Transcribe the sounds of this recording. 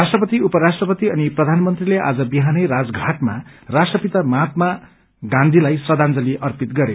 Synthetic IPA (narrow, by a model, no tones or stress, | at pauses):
rasʈrʌpʌt̪iupʌɾasʈrʌpʌt̪iʌniprʌd̪ʱanmʌnt̪rileʔa̰d͡zʌbiɦanʌjɾad͡zɡʱaʈma̰rasʈrʌpit̪amat̪̚ma | ɡãnd̪ʱilajsrʌd̪and͡zʌliʔʌrpit̪ɡʌɾe